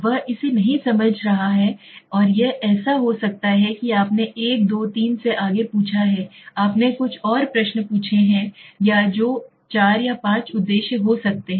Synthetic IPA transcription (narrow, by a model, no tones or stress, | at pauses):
ʋɐɦɪsenɐɦĩsɐməd͡ʒʱɾɐɦaɦɛːɔːɾjeʔɛːsaɦosɐk̚t̪aɦɛkiaːpneʔeːk̚d̪oːt̪iːnseʔaːɡepuːt͡ʃʰaɦɛːaːpnekʊt͡ʃʰɔːɾpɾɐʃnpuːt͡ʃʰeɦɛ̃jad͡ʒoː | t͡ʃaːɾjapãːt͡ʃʊd̪ːeːʃjəɦosɐk̚t̪eɦɛ̃